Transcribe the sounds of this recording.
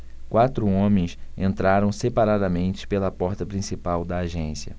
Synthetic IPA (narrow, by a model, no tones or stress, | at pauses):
kwat̪ɾʊõmẽj̃sẽnt̪ɾaɾɐ̃w̃sepaɾad̪ɐmẽnt͡ʃɪ̥pelɐpɔɾt̪ɐpɾĩsipawd̪ɐːʒẽsiɐ̰